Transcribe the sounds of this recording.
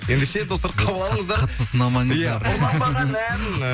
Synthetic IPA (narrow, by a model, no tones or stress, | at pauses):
jend̪eʃed̪osəɾqʰɑbəlˠɑlˠɴəzd̪ɑqɾʰɑt̪ːəsənɑmɑɴəjd̪ɑɾɑmɑʁnæn